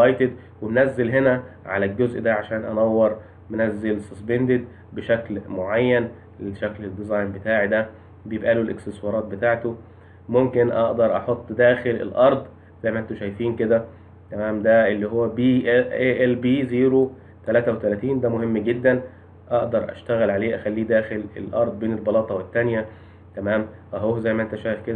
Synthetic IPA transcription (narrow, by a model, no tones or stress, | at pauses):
lɑjt̪ed̪ | wemnæzːelɦenæʕa̰lælɡozʔd̪æʕaʃæːnʔɑ̰næwːɑɾˤ | menæzːelsɑsbend̪ed̪ | beʃæklmoʕajːæn | eʃækled̪izɑjnbet̪aːʕid̪æ | bejebʔæːlulʔḛkst̪eswɑːɾˤɑːt̪̚bet̪aːʕt̪o | momkenʔɑ̰ʔd̪ɑɾˤʔɑħot̪ˤːd̪æːxelḛlʔɑɾˤd̪ˤ | z̥æjmæʔent̪oʃæjfiːnked̪æ | t̪æmæːmd̪æelːiɦowːæbiːeʔelbiːziːɾo | t̪ælæːt̪æwet̪ælæːt̪iːnd̪æmohemːɡed̪ːæn | ʔɑʔd̪ɑɾˤʔæ̰ʃt̪æɣælʕaleːʔæxælːiːd̪æːxelḛlʔɑ̰ɾˤd̪ˤbeːnelbɑlɑːt̪ˤɑwet̪ːænjæ | t̪æmæːm | ɑɦoːzæjmæʔent̪æʃæːjefked̪æ